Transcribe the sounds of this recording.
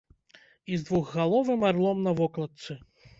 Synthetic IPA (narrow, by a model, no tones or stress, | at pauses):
izd̪vuɣɣalˠɔvɨmarlˠɔmnɐvɔklˠɐt̪sɨ